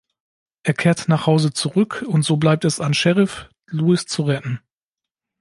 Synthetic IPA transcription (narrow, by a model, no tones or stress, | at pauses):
ʔeːɐkʰeːɐtnaːχhaʊzət͡suʁʏkʰʊntz̥oːblaɪp̚tɛsanʃɛʁɪf | luːɪst͡suʁɛtn̩